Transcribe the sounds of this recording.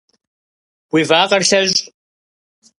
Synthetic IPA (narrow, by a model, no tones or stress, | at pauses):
wivaːqʼɐrɬɐʑ